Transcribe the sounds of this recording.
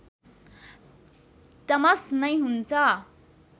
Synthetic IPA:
t̪ʌmʌsnʌjɦunt͡sʰʌ

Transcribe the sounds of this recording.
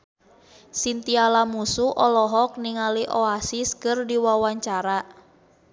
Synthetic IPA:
sint̪ialamusuʔɔlɔɦɔk̚niŋaliʔɔasiskɨrdiwawaɲt͡ʃaɾa

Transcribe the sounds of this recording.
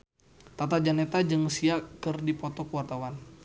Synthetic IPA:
t̪at̪ad͡ʒanet̪ad͡ʒɨŋsiakɨrdipɔt̪ɔkəwart̪awan

